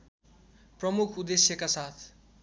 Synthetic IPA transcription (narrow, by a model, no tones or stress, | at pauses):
prʌmukʰud̪esjʌkasat̪ʰ